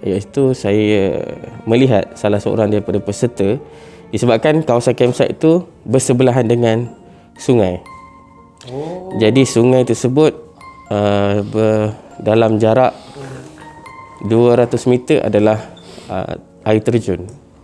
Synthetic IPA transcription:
jaʔit̪usaj̰ | mə̃liɦat̪̚salahsəo̰ɾaŋdaɾipadapəsərt̪ə | disəbap̚kankawasankɛmsa̰ʔit̪u | bərsəbəlaɦandəŋãn | suŋãj | d͡ʒadisuŋajt̪ərsəbʊt̪̚əbədalamd͡ʒaɾaʔ | duəɾat̪ʊsmit̪əʔa̰dalahə̰ | ʔait̪ərd͡ʒʊn

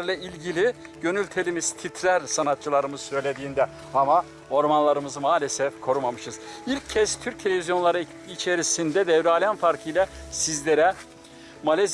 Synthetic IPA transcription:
ɾlʲˠailʲɟilʲi | ɟø̞nylʲt̪ʰe̞lʲimiz̥t̪ʰit̪ʰɾæɾsanat̪̚t͡ʃʰɯlˠaɾɯmɯzsø̞jlʲe̞d̪iːnd̪ɛ | ama | o̞ɾmanlˠaɾɯmɯzɯmaːlʲesɛfkʰo̞ɾumamɯʃɯz̥ilʲcʰːɛst̪ʰyɾc̚t̪ʰe̞lʲevʲizjo̞nlˠaɾɯː | t͡ʃʰe̞ɾisind̪ɛd̪ɛvɾalʲanfaɾkʰɯjlʲasizlʲeɾɛ | malʲez

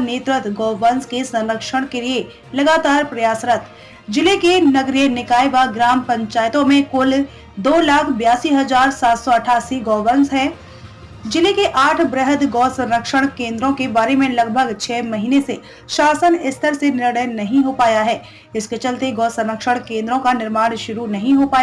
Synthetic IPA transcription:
neːt̪ɾɪt̪ɡɔːʋənskesɐ̃nɾəkʃəɽ̃kelie | lɐɡaːt̪aːɾpɾɐjaːsɾət̪ʰ | d͡ʒɪlekenɐɡɾijenɪkaːjbaɡɾaːmpɐ̃ɲt͡ʃaːjət̪õmẽkʊl | d̪oːlaːkʰbjaːsiɦɐzaːɾsaːt̪sɔɐʈʰaːsiɡɔːʋəɾnsɦɛ̃ː | d͡ʒɪlekeʔaːʈʰbɾəɦəd̪ɡɔːsɐ̃mɾəkʃəɽ̃kẽːnd̪ɾõkebaːɾemẽlɐɡbʱəɡt͡ʃʰɛːmɐɦiːnese | ʃaːsənɪst̪ʰəɾsenɪɾɽəjnɐɦĩɦopaːjaɦɛː | ɪsket͡ʃɐlt̪eɡɔːsɐ̃mɾəkʃəɽ̃kẽːnd̪ɾõkanɪɾmaːɽ̃ʃʊɾunɐɦĩɦopaːja

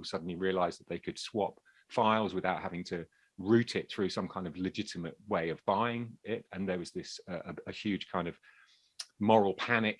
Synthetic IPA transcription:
lˠsʌdⁿn̩liɹiəlaɪzðəʔðeɪkʰɨd̥swɒp | faɪlˠzwɪðaʊt̚ɦhavɪ̃ŋtʰə | ɹʉˑtʰɪt̪̚θɹʉːsʌ̃mkʰãɪ̃ndəvlɨd͡ʒɪtʰɪməʔweɪəvbaɪɪ̃ŋɪtə̃nðəwɒzðɪsəʔəəhjʉːd̥ʒ̥kʰãɪ̃ndəv̥ | mɒɹəl̩ˠpʰanɪk

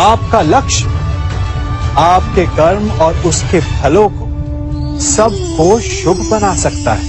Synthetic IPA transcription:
aːp̚kalɐkʃ | aːp̚keɡɐɾmɔːɾʊskebʱɐlõko | sɐb̚ | koʃʊbʱbɐnasɐk̚t̪a̰ɦɛː

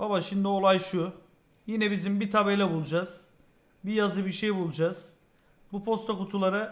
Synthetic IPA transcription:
babaʃimd̪io̞lˠajʃu | jinɛbizimbit̪ʰabelʲɛbulˠud͡ʒaz̥ | bijazɯbiɾʃejbulˠud͡ʒaz̥ | bupʰo̞st̪ʰakut̪ʰulˠaɾɯ

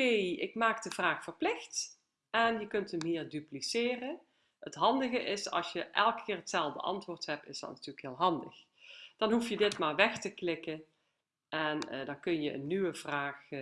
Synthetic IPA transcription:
ejɪkmaːkdəvraːxfərplɪxt | ʔɛnjəkɵntəmɦiːrdyplisɪːrə | hətɦɑndəɣəʔɪsɑ̰lˠsjəʔɛlˠkə̥kɪːɹɦətsɛlˠvdə̰ʔɑ̰ntʋʊːɹtɦɛp̚tɪsdɑ̰tnatyːləkɦɪːlˠɦɑndə̰x | d̥ɑnɦufjədɪtmaːɹʋɛxtəklɪkən | ʔɛndɑnkɵnjəʔə̰nːyʋəv̥raːx

